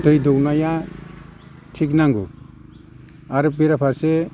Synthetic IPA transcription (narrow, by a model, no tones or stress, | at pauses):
dɯjdɔwnaja | tʰik̬naŋɡu | aɾɯbiɾapʰaɾse